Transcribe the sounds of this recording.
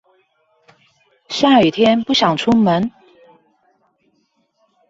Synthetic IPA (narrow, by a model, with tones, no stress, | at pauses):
ɕja˥˩y˨˩t̪ʰjɛ˥npu˥˩ɕjɑ˨˩ŋʈ͡ʂʰu˥ŋmə˧˦˥n